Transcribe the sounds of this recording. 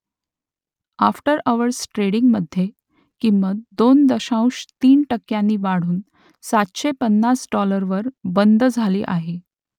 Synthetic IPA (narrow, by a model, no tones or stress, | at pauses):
afʈəɾəʋəɾsʈɾeɽiŋɡməd̪ʱje | kimːət̪̚d̪ond̪əɕãw̃ʂt̪iːnʈəkːjãnːiːʋaɽ̤uːn | sat̪ɕepənːasɖɔləɾʋəɾbənd̪ʱd͡zʱaliːʔa̰ɦe